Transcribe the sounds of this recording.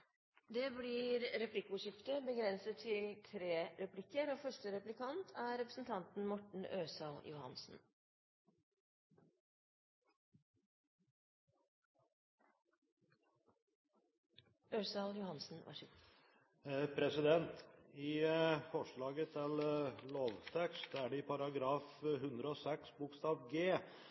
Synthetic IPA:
d̪eːbliːɾɾɛpʰlɪkʊʂɪft̪əbəɡɾɛnsət̪ʰːɪlt̪ʰɾeːɾɛplɪkːəɾoːfœʂʈəɾɛplɪkʰɑnt̪ʰæɾɛpɾə̥sn̩t̪ʰɑnt̪n̩mɔʈɳ̩øːsɑːljʊ̰hɑ̰nsn̩ | øːsɑːljʊhɑnsn̩ʋɑ̰ʂ | pʰɾɛsɪd̪ɛnt̪ɪfɔʂɭɑːɡət̪ʰɪlloːʋt̪ʰɛkst̪æɖɛɪpʰɑɾɑɡɾɑːfhʉnd̪ɾəɔsɛksbʊkst̪ɑːʋɡeː

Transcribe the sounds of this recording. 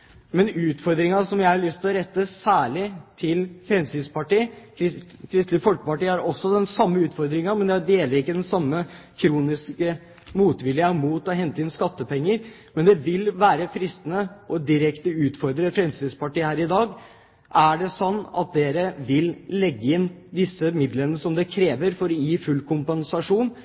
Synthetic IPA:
mɛnʉːt̪fɔɾd̪ɾɪŋɑsɔmjæɪhɑɭʏst̪ʰɪlɔɾɛt̪ːəsæːɭɪt̪ʰɪlfɾɛmsyːnspɑʈiːkʰɪkʰɾɪst̪lɪfɔlkəpɑʈiːɑɾɔsːɔd̪ɛnsɑmːəʉːt̪fɔɾd̪ɾɪŋɑmɛnd̪ɛd̪eːləɾɪkːəd̪ɛnsɑmːəkʰɾuːnɪskə | muːt̪ʋɪljəɑmuːt̪ɔɦɛnt̪əɪnskɑt̪ːəpɛŋːəɾ | mɛnd̪ɛʋɪlʋæːɾəfɾɪst̪ənəʔɔd̪ɪɾɛkt̪əʉːt̪fɔɾd̪ɾəfɾɛmsiːd̪spɑʈiːhæːɾɪd̪ɑːɡ | ʔæɖɛsɔnːɑ̰t̪̚d̪eːɾəʋɪlːɛɡːəɪnd̪ɪsːəmɪd̪lənːəsɔmd̪ɛkʰɾeːʋəɾfɔɾɔjiːfʉlːkʰʊmpɛnsɑʂuːn

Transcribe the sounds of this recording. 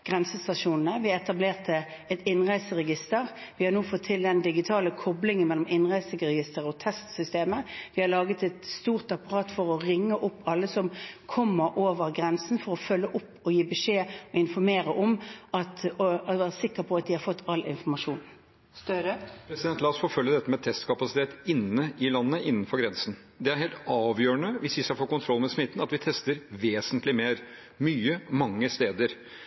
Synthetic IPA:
ɡ̥ʁɛnsəst̪ɑʃuːnn̩əʋɪɛt̪ɑbleːʁt̪ə | ɛt̪ɪnʁæɪsəʁɛɡɪst̪əʁʋɪhɑɾnuːfɔt̪ʰːɪld̪ɛnd̪ɪɡɪt̪ʰɑːləkʰɔblɪŋənmɛlːɔmɪnʁæɪsəɡʁɛɡɪst̪əʁəɔt̪ʰɛst̪sʏst̪eːməʋɪhɑɾlɑːɡət̪ɛt̪st̪uːʁt̪ɑpɑʁɑːt̪fɔʁɔʁɪŋːəʔʊpːɑlːəsɔmkʰɔmːəɾʔoːʋəʁɡʁɛnsn̩fɔʁɔfœlːəʔʊpːɔjiːbɛʂeːɔɪnfɔɾmeːʁəʔɔmɑt̪ːʋæːʁəsɪkːəpʰɔɑt̪̚d̪ɪhɑɾfɔt̪ʰːɑlːɪ̰nfɔɾmɑʂuːn | st̪øɾəpʰɾɛsɪd̪ɛnt̪lɑːɔsfoːfœljəd̪ɛt̪ːəmɛt̪ʰɛst̪kʰɑpɑsɪt̪ʰeːt̪ɪnːəʔɪlɑnːəʔɪnːn̩fɔɾɡɾɛnsən̩ | d̪ɛæɾheːlt̪ɑːʋjøːɾəɳəʋɪsʋɪsɑfoːkʊnt̪ʰɾɔlːmɛsmɪt̪ːn̩ɑt̪ʋɪt̪ʰɛst̪əɾʋeːsənt̪lɪmeːɾ | myːəmɑŋːəst̪eːd̪əɾ

